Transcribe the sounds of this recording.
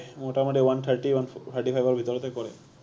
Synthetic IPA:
moʈamoɖewant̪ʰaɾʈiwantʰaɾʈifʰajbaɾbʱit̪ɔɾɔt̪ekɔɾe

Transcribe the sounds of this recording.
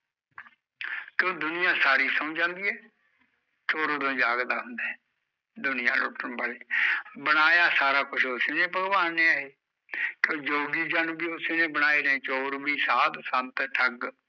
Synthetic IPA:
kõːd̪ʊnɪjãːsaːɾiːsəũːd͡ʒãːnd̪iːɛː | t͡ʃoːɾoːd̪õːd͡ʒaːɡd̪aːɦʊ̃nd̪aɛ | d̪ʊnɪjã̰ːlo̰ːʈənbaːleːbənaːjaːsaːɾaːkʊʃʰoseːneːpəɡbaːnẽːaɦeː | kõːd͡ʒoːɡiːd͡ʒanbiːoseːnẽːbənaːeːnẽːt͡ʃoːɾbiːsaːt̪sə̃nt̪ʈʰəɡ

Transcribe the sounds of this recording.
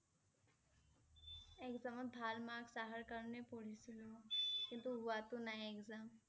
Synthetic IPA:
ekzəməbʱaːlmaːɡsaːɦəɾkəɾnepoːɽisiloːkɪ̃nt̪uɦʊat̪unaeekzam

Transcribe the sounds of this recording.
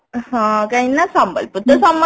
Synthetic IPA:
hãːkɐinːasɐmbɐ̰lpɯt̪ːɐsɐmː

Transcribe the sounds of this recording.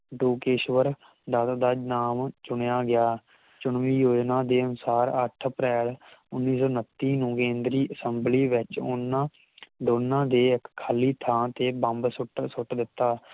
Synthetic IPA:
ɖoːkeːʃʋəɾ | d̪at̪d̪aːnaːmt͡ʃʊɳjaːɡɪjaː | t͡ʃʊɳʋiːjoːd͡ʒnãːd̪eːənʊsaːɾə̰ʈʰəpɾɛːlʊnːiːsɔːnət̪ːiːnũːkẽːnd̪ɾiːʔəsəmbliːʋɪt͡ʃʊnːãː | d̪oːnːãːd̪eːkkʰːaːliːt̪ʰãːt̪eːbəmbsʊʈsʊʈd̪ɪt̪ːaː

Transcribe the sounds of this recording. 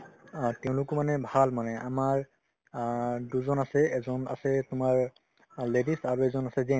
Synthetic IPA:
tɛʊ̃lʊkɔmanɛbʱalmanɛamaɹ | duzɔnasɛɛzɔna̰sɛtʊmaɹ | ledisaɹuɛzɔnasɛzɛ̃

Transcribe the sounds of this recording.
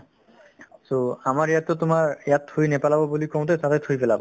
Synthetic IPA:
soamaɹejatːɔtʊmaɹɛjathojnɛpalabɔbulikɔw̃t̬ɛsatɛtʰojpɛlabɔ

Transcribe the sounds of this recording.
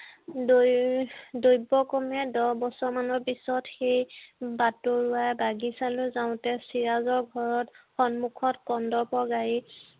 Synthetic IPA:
do | dojbɔkɔmɛdɔbɔsɔɹmanɔɹpisɔtxejbatʊɹʊwajbaɡisalʊzaʊ̃tɛsiɹazɔɹɡʱɔɹɔtxɔnmukʰɔtkɔndɔpɔɡaɹi

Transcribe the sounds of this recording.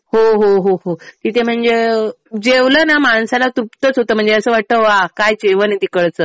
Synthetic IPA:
ɦoɦoɦoɦot̪it̪ʰem̤əɳd͡ze | d͡ʑeʋləːnamaɳsalat̪upt̪ət͡sɦot̪əːm̤əɳd͡zeəsəːʋaʈ̚t̪əʋakajt͡ɕeʋənit̪ikəɭt͡səː

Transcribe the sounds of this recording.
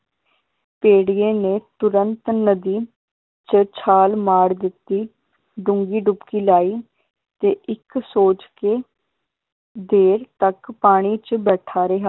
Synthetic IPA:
peːɽijeːneːt̪ʊɾənt̪nəd̪iː | t͡ʃət͡ʃʰaːlmaːɽd̪ɪt̪ːiː | ɖʊŋɡiːɖʊpkiːlaːiː | t̪eːʔɪksoːt͡ʃkeː | d̪eːɾt̪əkpaːɽ̃iːt͡ʃbɛːʈʰaːɾeɦaː

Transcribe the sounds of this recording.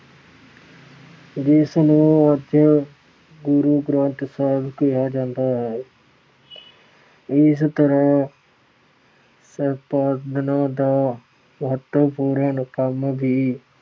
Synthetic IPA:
d͡ʒɪsnũːəd̪ʱjə | ɡʊɾuɡɾãːnt̪səɦɪbkijad͡ʒãːnd̪aɦɛː | ɪst̪əɾəɦ | səpaːd̪ɪnãd̪aː | məɦət̪wəpuːɾənkəmbʱiː

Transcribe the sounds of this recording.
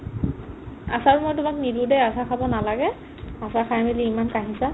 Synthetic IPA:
asaɹmojtʊmaknidudɛjasakʰabɔnalaɡɛ | asakʰajmiliimankaɦisa

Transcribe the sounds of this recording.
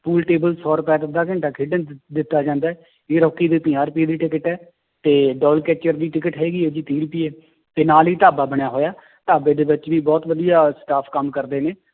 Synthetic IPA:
puːlʈeːbəlsɔːɾʊpɛːd̪ɪd̪aːkɪ̃ɳʈaːkʰɪːɖənd̪ɪt̪ːaːd͡ʒãːnd̪aːɛː | eːɾɔːkːiːd̪iːp̪ɪ̃aːɾpiːd̪iːʈɪkəʈɛː | t̪eːɖɔːlkɛːt͡ʃəɾd̪iːʈɪkəʈɦɛːɡiːɛːd͡ʒiːt̪iːɾpiːɛː | t̪eːnaːliːt̪aːbaːbəɽjaːɦoːjaː | t̪aːbeːd̪eːʋɪt͡ʃʋiːbɔːt̪ʋəd̪ijaːsʈaːpʰkəmkəɾd̪eːneː

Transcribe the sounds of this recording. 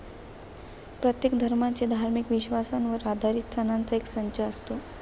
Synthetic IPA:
pɾət̪jekd̪ʱəɾmat͡ɕed̪ʱaɾmikʋiɕʋasanʋəɾad̪ʱaɾiːt̪̚t͡sənant͡səeksəɲt͡ɕaəst̪o

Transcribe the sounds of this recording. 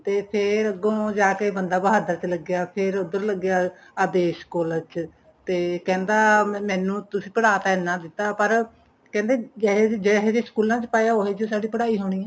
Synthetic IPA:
t̪eːpʰɪɾəɡõːd͡ʒaːkeːbənd̪aːbəɦaːd̪əɾt͡ʃləɡjaːpʰɪɾʊd̪əɾləɡːjaː | əd̪eːskoːlət͡ʃ | t̪eːkɛ̃ːnd̪aːmɛ̃ːnũːt̪ʊsĩːpəɽaːt̪aːɛnãːd̪ɪt̪ːaːpəɾ | kɛ̃ːnd̪eːd͡ʒed͡ʒeːɛːɦeːd͡ʒeːskuːlãːt͡ʃpaːjaːoːɦeːd͡ʒoːsaːɖiːpəɽaːiːɦoːɽ̃iːɛ̃ː

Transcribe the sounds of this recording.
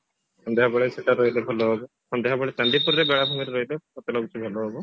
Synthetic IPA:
sɔnd̪eɦabɔɭeseʈaɾoɦilebʱɛlɔɦɔbɔ | sɔnd̪eɦabɔɭet͡ʃaɳɖipuɾɾebeɭabʱumiɾɾoɦilekɔt̪eloɡut͡ʃʰibʱɛlɔɦɔbɔ

